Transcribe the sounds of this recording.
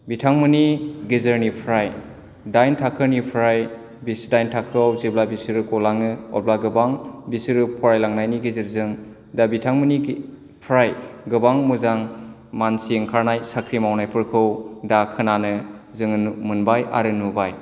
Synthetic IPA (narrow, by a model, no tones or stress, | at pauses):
bitʰaŋmɯniɡezɯɾnipʰɾaj | dajntʰakʰɯɾnipʰɾaj | bisdajntʰakʰɯawzeblabisɯɾɯkɔlaŋɯɔ̰blaɡɯbaŋbisɾɯpʰɔɾajlaŋnajniɡezɯɾzɯŋ | dabitʰaŋmɯni | pʰɾajɡɯbaŋmuzaŋ | mansiŋkʰaɾnajsakʰɾimawnajpʰɯɾkʰɯwdakʰɯnanɯzɯŋnmɯnbajʔa̰ɾɯnubaj